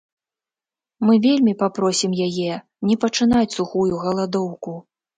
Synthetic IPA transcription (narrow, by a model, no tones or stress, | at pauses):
mɨvʲelʲmʲipapɾɔsʲimjajɛ | nʲɛpɐt͡ʂɨnat͡sʲsuxujuɣɐlˠad̪ɔwku